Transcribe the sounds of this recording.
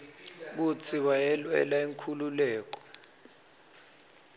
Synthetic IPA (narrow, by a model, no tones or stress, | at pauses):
k̬ut͡sʰiwajɛlwɛ̰laeŋkʰululɛːk̬ɔ̥